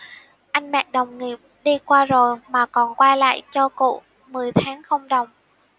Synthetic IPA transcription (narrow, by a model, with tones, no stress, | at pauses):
ʔa˧jŋmɛ̰˧˨ɗə˨˩wŋ͡mŋi˨˩əp̚ɗi˧kwaː˧zo˨˩jmaː˨˩kɔ˨˩nkwaː˧jla̰ː˧˨jt͡ɕɔ˧kṵ˧˨ | mɨ˨˩əjt̪ʰaː˨˦ŋxə˧wŋ͡mɗə˨˩wŋ͡m